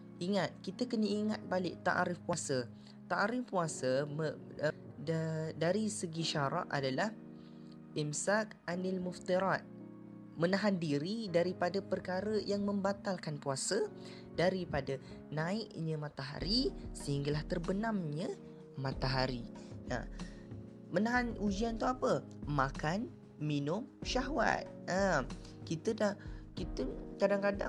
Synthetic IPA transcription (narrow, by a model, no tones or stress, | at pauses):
ʔiŋat̪̚kit̪akənəiŋat̪̚balɪʔ̚t̪a̰ʔɾɪfpuasə | t̪aʔaɾɪfpuasə | daɾisəɡiʃaɾa̰ʔadalah | ʔimsak | anilmʊft̪iɾat̪̚ | mənaɦandiɾidaɾipadapərkaɾəjaŋmə̃mbat̪alkanpuasə | daɾipada | nãɪkɲãmãt̪aɦa̰ɾisəhiŋɡalaht̪ərbənamɲə | mat̪aɦaɾina̰ | mənaɦanud͡ʒiant̪uapə | makan | minʊmʃaɦwa̰t̪̚am | kit̪ədahkit̪əkadaŋkada̰